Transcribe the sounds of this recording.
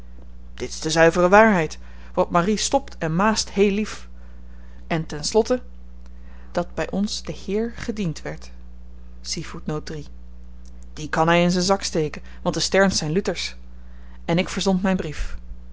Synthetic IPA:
d̥ɪtɪ̥zdəzœɥvərəʋaːɹɦɛjt | ʋɑtmaristɔptɛnmaːsthejlif | ʔɛntɛnslɔtə | d̥ɑd̚bɛjʔɔnsd̥əhɪːɹχədintʋɛɹt | sifutnowt̚dri | d̥ikɑnɦɛjɪnzənzɑkstejkən | ʋɑ̃ntdəstɛɹnsɛjnlytəɹs | ɛnɪkfəɹzɔntmɛjnbrif

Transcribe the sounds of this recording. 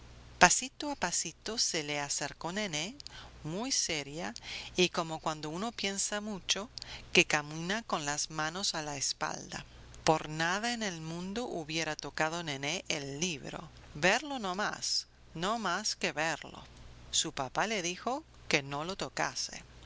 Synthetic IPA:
pasit̪oapasit̪oseleaseɾkonenemujseɾjaiko̞mokwand̪o̞uno̞pje̞nsamut͡ʃokekamĩnako̞nlazmano̞salaespa̰ld̪a̰ | poɾnaðaenelmũnd̪oʔuβjeɾat̪okað̞oneneʔelːiβ̞ɾo̞̰βeɾlonoma̰s | nomaskeβeɾlo̰supapaleð̞ixo̞ | kenolot̪oka̰sḛ

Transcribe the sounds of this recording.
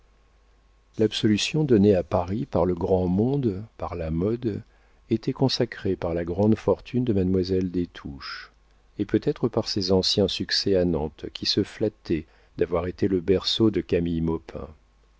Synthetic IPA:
labsɔlysjɔ̃d̪ɔneapaʁipaʁləɡʁɑ̃mɔ̃d̪paʁlamɔd̪ | et̪ʰɛkɔ̃sakχepaʁlaɡʁɑ̃d̪fɔʁt̪ʰynd̪əmanmwazɛld̪et̪ʰuʃ | epøt̪ɛt̪χəpaʁsezɑ̃sjɛ̃syksɛanɑ̰̃t̪kʲʰisəflat̪ɛ | d̪avwaʁet̪eləbɛʁsod̪əkamijmɔpʰɛ̰̃

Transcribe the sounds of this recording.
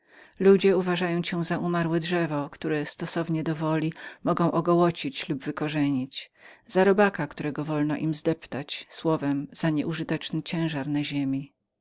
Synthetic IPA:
lud͡ʑɛuvaʐajɔ̃w̃t͡ɕɛw̃zaʔumaɾwɛdʐɛvɔkt̪uɾɛst̪ɔsɔvɲɛd̪ɔvɔlʲimɔɡɔ̃w̃ʔɔɡɔwɔt͡ɕit͡ɕlubvɘkɔʐɛɲit͡ɕz̥aɾɔbakakt̪uɾɛɡɔvɔlnɔʔimzd̪ɛpt̪at͡ɕswɔvɛmz̥aɲɛʔuʐɨt̪ɛt͡ʂnɘt͡ɕɛ̃w̃ʐaɾnaʑemʲi

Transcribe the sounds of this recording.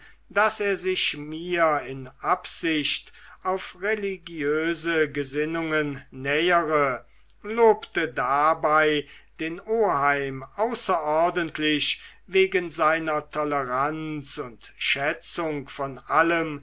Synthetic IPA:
d̥aseːɐzɪʃmiːɐɪnʔapz̥ɪɕtʔaʊfʁeliɡjøːzəɡəzɪnʊŋənːɛːəʁə | loːptədabaɪd̥eːnoːɦaɪmʔaʊsɐʔɔɐdəntʰlɪʃ | veːɡənzaɪnɐtʰɔləʁant͡sʊntʃɛt͡sʊŋkfɔnʔaləm

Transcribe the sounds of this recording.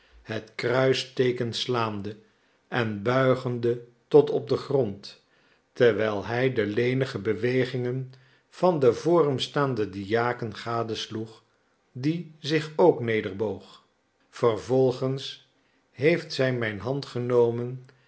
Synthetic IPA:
hətkrœɥstejkənslaːmdə | ʔɛnbœɥχəndətɔtɔb̚dəχrɔnt | təɹʋɛjlˠɛjdəlejnəχəbəʋejχɪŋən | v̥ɑndəvʊːrəmstaːndədijaːkənχaːdəsluχ | dizɪχowknejdəɹbowχ | fərvɔlˠχəns | ɦejftsɛjmɛjnɦɑntχənowmən

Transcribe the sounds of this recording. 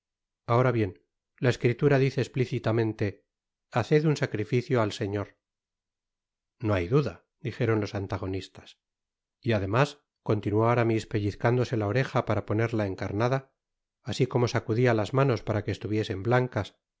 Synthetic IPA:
ao̞ɾaβje̞n | laeskɾit̪uɾaðiθeːspliθit̪amẽ̞nt̪e̞ | aθe̞ðunsakɾifiθjoalse̞ɲo̞ɾ | no̞ajðuða | d̪ixe̞ɾo̞nlo̞sant̪aɣ̞o̞nist̪ḁs | iaðe̞mas | ko̞nt̪inuwoaɾamispe̞ʎiθkand̪o̞se̞lao̞ɾe̞xapaɾapo̞ne̞ɾlae̞ŋkaɾnaðaː | siko̞mo̞sakuðialazmano̞spaɾakeːst̪uβje̞se̞mblaŋkas

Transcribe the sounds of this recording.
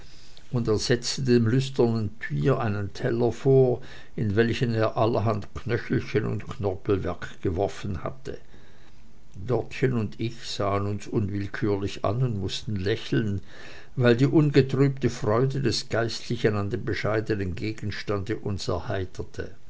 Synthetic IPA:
ʔʊndeːɐz̥ɛt͡stədeːmlʏstɐnəntʰyːɐʔaɪnəntʰɛlɐfoːɐ | ɪnvɛlçəneːɐʔalɐɦantkʰnœçl̩çənʊ̰ntkʰnɔɐpl̩vɛɐkɡ̥əvɔɐfənha̰tʰə | d̥ɔɐtçənʊndɪçz̥aːənʊnsʔʊnvɪlkʰyːɐlɪça̰nʊndmʊstn̩lɛçl̩n | vaɪldiːʔʊnɡətʁ̥yːp̚təfʁ̥ɔʏdədɛsɡ̥aɪstʰlɪçənandeːmbəʃaɪdənənɡeːɡ̥n̩ʃtandəʔʊnsɛ̰ɐhaɪtʰɐtʰə̰

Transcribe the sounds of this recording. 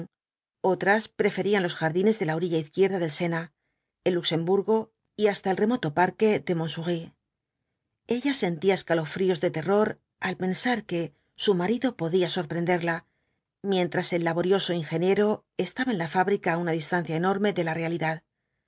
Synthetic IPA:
o̞t̪ɾaspɾe̞fe̞ɾianlo̞sxaɾðine̞zðe̞laoɾiʎaiθkje̞ɾðaðe̞lse̞na | elːukse̞mbuɾɣo̞ | iast̪ae̞lre̞mo̞t̪o̞paɾke̞ðe̞mo̞nsuɣi | e̞ʎase̞nt̪iaeskalo̞fɾio̞zðe̞t̪e̞ro̞ɾ | alpe̞nsaɾke̞ | sumaɾiðo̞po̞ðiaso̞ɾpɾe̞nd̪e̞ɾla | mje̞nt̪ɾase̞lːaβo̞ɾjo̞so̞iŋxe̞nje̞ɾo̞ | e̞st̪aβaenlafaβɾikaunaðist̪an̟θjaeno̞ɾme̞ðe̞lare̞aliðað

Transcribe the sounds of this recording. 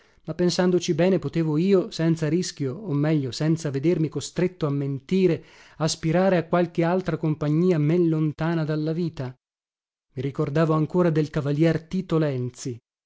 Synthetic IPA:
mapːensand̪ot͡ʃibɛːnepot̪eːvoiːosɛnt̪saɾisk̟joːmːɛʎːosɛnt̪saved̪ermikost̪ɾet̪ːoamːent̪iːɾeaspiɾaːɾeakːwalk̟ealt̪ɾakompaɲːiːamelːont̪aːnad̪alːaviːt̪a | miɾikord̪aːvoaŋkoːɾad̪elkavaljɛrt̪it̪olɛnt̪si

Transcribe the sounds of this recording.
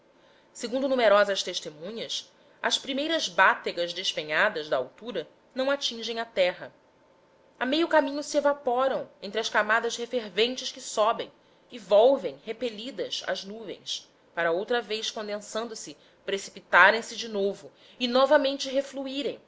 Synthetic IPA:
seɡũnd̪ʊnumeɾɔzɐʃt̪eʃt̪emũɲɐs | ɐspɾimejɾɐzbat̪eɡɐzd̪eʃpẽɲad̪ɐzd̪ɐawt̪uɾɐ | nɐ̃w̃at͡ʃĩʒẽj̃ɐt̪ɛɦɐ | amejʊkamĩɲʊsievapɔɾɐ̃w̃ẽnt̪ɾɪɐʃkamad̪ɐzhefeɾvẽnt͡ʃɪʃkɪsɔbḛ̃j̃ | ɪvɔwvẽj̃hepelid̪ɐsɐ̰znuvḛ̃j̃s | paɾɐowt̪ɾɐvejʃkõnd̪ẽnsɐ̃nd̪ʊsɪ | pɾesi̥pit̪aɾẽj̃sɪd͡ʒɪnovʊ | ɪnɔvɐmẽnt͡ʃɪɦefluiɾẽj̃

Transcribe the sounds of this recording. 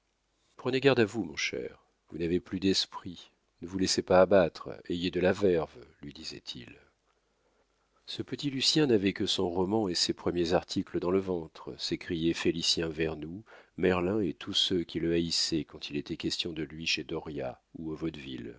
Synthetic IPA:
pχəneɡaʁd̪avumɔ̰̃ʃɛ̰ʁ | vunaveplyd̪ɛspχi | nəvulɛsepaːbat̪χejed̪əlavɛʁvlɥid̪izɛ̰t̪ʰḭl | səpət̪ilysjɛ̃navɛkəsɔ̃ʁɔmɑ̃esepχəmjezaʁt̪ʰikləd̪ɑ̃ləvɑ̃t̪χəsekχijɛfelisjɛ̃vɛʁnumɛʁlɛ̃et̪ʰusøkʲiləaisɛkɑ̃t̪ilet̪ɛkʲɛst̪jɔ̃d̪əlɥiʃed̪ɔʁja̰uovɔt̪vḭl

